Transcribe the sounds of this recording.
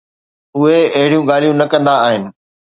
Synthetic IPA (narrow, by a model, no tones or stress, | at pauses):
ʊɦeɐɦɪɽijũɡaːl̤ijũnɐkɐ̃nd̪aːɦɪnɪ̆